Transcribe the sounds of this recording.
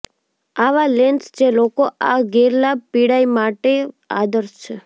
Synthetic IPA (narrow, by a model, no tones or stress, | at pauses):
aʋalenst͡ʃʰelokoʔaɡeɾlab̚piɽaimaʈe | a̰d̪əɾst͡ʃʰe